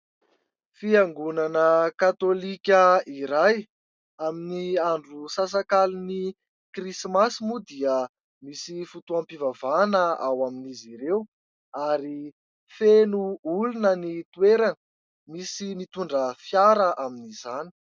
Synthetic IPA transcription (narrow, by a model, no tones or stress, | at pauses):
fiaŋɡunanəkat̪olikʲəiɾaj | aminiaɳɖ͡ʐusas̬akalini | krismasimud̪iə | misifut̪uampivavanəa̰waminiziɾew | aɾi | fenuulunənit̪ueɾanə | misimit̪uɳɖ͡ʐəfjaɾəʔaminizani̥